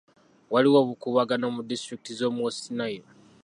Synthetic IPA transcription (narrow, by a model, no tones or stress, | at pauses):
waliwoβukuβaɡanomudistɾikitizo̞ːmosinajo